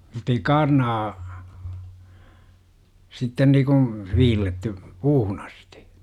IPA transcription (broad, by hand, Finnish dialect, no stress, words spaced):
mutːei kɑːrnɑː sitːen niːkũː ʋiːlːetːy puːhun ɑsti̥